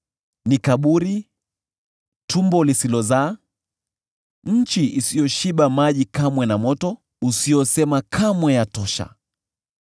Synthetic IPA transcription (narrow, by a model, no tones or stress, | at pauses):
nikaɓuɾi | tumbɔlisilɔzaː | ɲ̩t͡ʃiʔisijɔʃiɓamaʄikamwɛnamɔtɔ | usiɔsɛmakʰamwɛjatɔʃa̰